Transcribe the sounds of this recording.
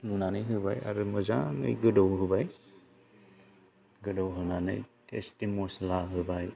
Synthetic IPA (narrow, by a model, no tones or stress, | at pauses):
munanɯjɦɯbaja̰ɾɯmɯzaŋɯ̰jɡɯdɔwɦɯbaj | ɡɯdɔwɦɯnanɯ̰jtḛstimɔslaɦɯbaj